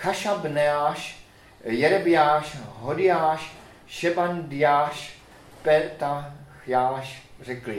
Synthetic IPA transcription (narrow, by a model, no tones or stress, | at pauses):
xaʃabnɛaːʃ | jɛɾɛbɪjaːʃɦodɪjaːʃ | ʃɛbandɪjaːʃ | pɛt̪axjaːʃrɛklɪ